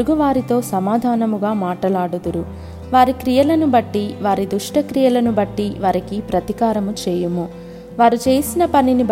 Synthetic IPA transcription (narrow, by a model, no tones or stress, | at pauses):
uɡuʋaːɾit̪o̞ːsɐmaːd̪ʱaːnɐmuɡaːmaːʈɐlaːɽud̪uɾu | ʋaːɾikɾijɐlɐnubɐʈːiʋaːɾid̪uʂʈɐkɾijɐlɐnubɐʈːiʋaːɾikipɾɐt̪ikaːɾɐmut͡ʃeːjumu | ʋaːɾut͡ʃe̞ːsinɐpɐninib